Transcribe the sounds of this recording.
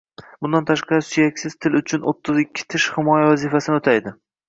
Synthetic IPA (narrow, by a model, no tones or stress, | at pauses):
bʊnd̪ant̪ʰaʃqɑɾɪsʊjakʲsɪz̥t̪ʰɪlʊt͡ʃʰʊnʔot̪ʰːɪzɪkʲːɪ̥t̪ʰɪʃhɪmɒjavazifasɪnɪot̪ʰajd̪ɪ